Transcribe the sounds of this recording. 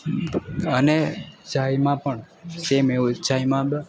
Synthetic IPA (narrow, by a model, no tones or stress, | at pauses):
əned͡ʒajmãpəɳ | semeud͡ʒaimãb